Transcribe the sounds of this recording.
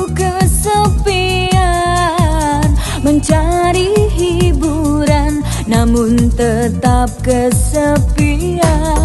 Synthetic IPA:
kəsəpi | a | n | məɲt͡ʃaɾiɦibuɾanː | amʊnt̪ət̪ap̚kəsəpi | a

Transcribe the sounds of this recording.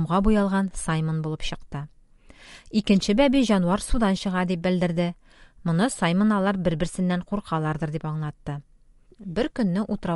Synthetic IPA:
mʁɑbujɑlˠʁɑnsajmonbulˠɤpɕɤ̆qt̪ɤ | ikɘ̆nɕɘbæbiʑɒnuɑɾsud̪ɑnɕɤ̆ʁɑd̪ip̚bɘ̆ld̪ɘ̆ɾd̪ɘ | mŏnɤsajmŏnɑlˠɑɾbɘ̆ɾbɘ̆ɾsɘ̆nːæɴquɾqʰɑlˠɑɾd̪ɤ̆ɾd̪ipɒɴlˠɑt̪ːɤ | bɘɾkɵ̆nːɘʔut̪ɤ̆ɾɑ

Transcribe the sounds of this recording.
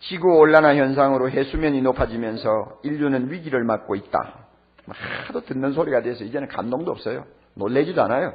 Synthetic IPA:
t͡ɕiɡuoɭːanaçjʌns̬ʰaŋɯɾoɦesʰumjʌɲinopʰad͡ʑimjʌnsʰʌiʎːunɯnɥiɡiɾɯɭmat̚k͈oit̚t͈a̰ | mʌkadotɯnːɯnsʰoɾiɡadwesʰʌid͡ʑe̞nɯnka̰mdoŋdoʌp̚s͈ʌjo̰ | nolːed͡ʑidoa̰najo

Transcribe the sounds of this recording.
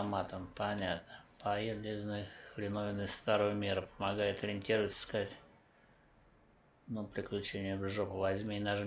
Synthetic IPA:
mat̪əmpɐnʲat̪nəpɐjed̪lʲɪznɨxlʲɪnovʲɪnɨst̪aɾəvəmʲeɾəpəmaɡajɪt̪əɾʲɪnʲtʲiɾəvət̪ʲsə̥skatʲ | nupɾʲɪklʲʉt͡ɕenʲɪjʊvʐopəvɐzʲmʲiɪnaʐɨ

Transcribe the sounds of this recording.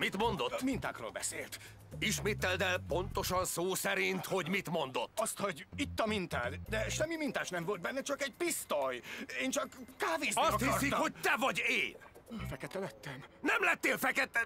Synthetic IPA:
mit̪mo̞nd̪ot̪ːmint̪a̰ːkro̰ːlbɛ̰sḛːlt̪ | iʃmeːt̪ɛld̪ɛlpo̞nt̪o̞ʃɒnsoːsɛɾint̪ho̞ɟmit̪mo̞nd̪o̞t̪ːɒst̪ho̞ɟit̪ːɒmint̪a̰ːt̪d̪ɛʃɛmːimint̪aːʃnɛmvo̞ld̪bɛnːɛt͡ʃɒkɛɟ̚pist̪ojeːnt͡ʃɒkːaːveːzɒsɒt̪hiɒsit̪kho̞c̚t̪ɛvɒɟeːnfɛkɛt̪ɛlɛt̪ːɛnnɛmlɛt̪ːeːlfɛkɛt̪ɛ

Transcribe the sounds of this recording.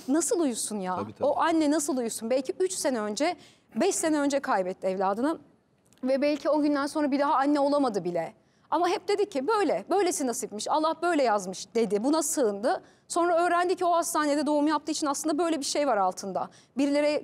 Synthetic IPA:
nasɯlˠujusunjao̞ʔanːɛnasɯlˠujusunbɛlʲcʰiʔyt͡ʃse̞nɛø̞nd͡ʒɛ | bɛʃse̞nɛø̞nd͡ʒɛkʰajbɛt̪ʰːiɛvlʲaːd̪ɯna | vɛbɛlʲcʰio̞ɟynd̪ænso̞nɾabid̪aɦaanːɛo̞lˠamad̪ɯbilʲɛ | amaɦɛp̚d̪e̞d̪icʰːibø̞jlʲɛbø̞jlʲesinasɯpmɯʃalˠːahbø̞jlʲɛjazmɯʃd̪e̞d̪ɪbunasɯːnd̪ɯ | so̞nɾaø̞ːɾænd̪icʰio̞hast̪ʰaːned̪ɛd̪o̞umujap̚t̪ɯːit͡ʃʰinaslˠɯnd̪abø̞jlʲɛbiɾʃe̞jvaɾalˠt̪ʰɯnd̪a̰ | biɾlʲe̞ɾɛ

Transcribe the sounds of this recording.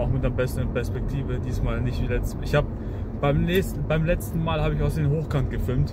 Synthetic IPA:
aʊxmɪt̚dːɐbɛsəʁənpɛɐspɛk̚tʰiːvədiːsmaːlnɪçtviːlɛt͡stɪçhaːbə | b̥aɪmlɛstn̩baɪmlɛt͡stn̩maːlhaːbəɪçaʊsd̥eːnɦoːxkʰant̚ɡ̥əfɪlmt

